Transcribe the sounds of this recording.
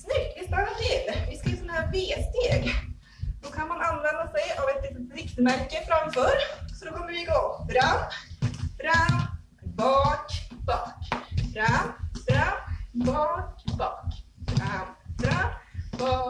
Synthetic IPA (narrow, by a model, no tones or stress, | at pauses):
snʏkt̪vɪst̪alːat̪ʰɪlvɪskajəːsɔnahæːveːst̪eːɡ | d̪̥ɔkʰanmananːvɛnd̪asɛjavɛt̪ɪvɪkt̪mæɾkəfɾamfœːɾsɔd̪ɔkʰɔmːəɾvɪɡoːfɾam | fɾamm | bɑːʈb̥ɑːkfɾamfɾambɑːʈbɑːkfɾamfɾambɑː